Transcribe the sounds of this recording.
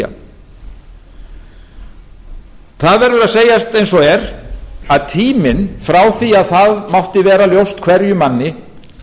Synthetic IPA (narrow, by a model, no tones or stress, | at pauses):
a̰ | θaðvɛɾðʏɾaðseːjast̪ejnsɔɛɾaðt̪ʰiːmɪnfɾaːwθiaðθaðmawht̪ɪvɛːɾaljowst̪kʰv̥ɛɾjʏmanːɪ